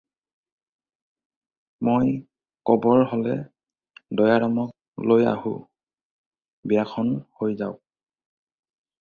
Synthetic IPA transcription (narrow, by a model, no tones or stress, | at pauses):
moj | kɔbɔɹholɛ | dɔjaɹamɔk̚ | loja̰hṵ | bijakʰɔnhojzaʊ